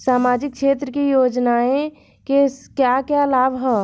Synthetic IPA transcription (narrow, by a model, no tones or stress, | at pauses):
saːmaːd͡ʒɪk̚kʃeːt̪ɾəkijoːd͡ʒnaːẽ | kekjakjalaːbɦɛ